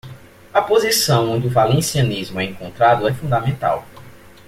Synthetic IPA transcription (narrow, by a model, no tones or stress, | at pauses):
ɐpozisɐ̃w̃õnd͡ʒɪʊvalẽsiɐnizmʊɛẽŋkõnt̪ɾad̪ʊɛfũnd̪amẽnt̪a̰w